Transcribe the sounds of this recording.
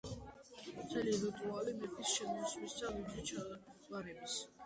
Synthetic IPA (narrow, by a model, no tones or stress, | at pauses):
t̪ʰɛliɾit̪ʼualimɛt̪ʰʼisʃɛmɔswisd̪avid̪ɾit͡ʃʰavaɾɛbis